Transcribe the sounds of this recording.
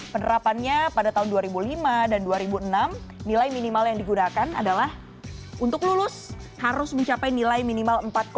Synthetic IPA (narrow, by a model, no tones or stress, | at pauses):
pənəɾapanɲapadat̪aɦʊnduaɾibulimadanduaɾibuənamnilajminimaljaŋdiɡunakana̰dalah | unt̪ʊklulʊs | haɾʊsməɲt͡ʃapajnilajminimaləmpat̪̚k